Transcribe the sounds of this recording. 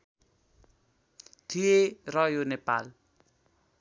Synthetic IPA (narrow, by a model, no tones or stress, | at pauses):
d̪̥ierɔjonepa̰l